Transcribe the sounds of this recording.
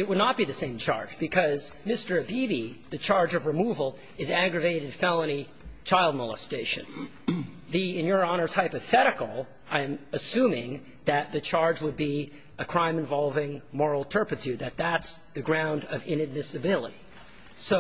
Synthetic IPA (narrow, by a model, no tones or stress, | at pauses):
ɨt̚wədⁿnət̚b̥iðɨsẽɪ̃mt͡ʃʰɑ̰ɹd͡ʒbɨkʰʌzmɪstə˞ɨbibiðɨt͡ʃʰɑɹd͡ʒʌvɹɨmuvl̩ˠ | ɨzæɡɹɨveɪɾɨd̥fɛlˠəñi | t͡ʃʰaɪlˠd̚mɔlˠə̰steɪʃɨ̰̃n | ðiɪ̃njə˞ɑñə˞z̥haɪpɨθɛɾɨkl̩ˠ | ãɪ̃mɨsʉ̃mɪ̃ŋ | ðɨt̪̚ðɨt͡ʃʰɑɹd͡ʒwəd̚bi | ɨkʰɹ̥ãɪ̃mɨ̃ɱvɑlˠvɪ̃ŋmɔɹl̩ˠtʰɜ˞pɨtʰʉd̪̚ðɨt̪̚ðætsðɨɡɹãʊ̃ndʌvɪ̃nɨd̚mɪsɨbɪlˠə̰ɾi | soʊ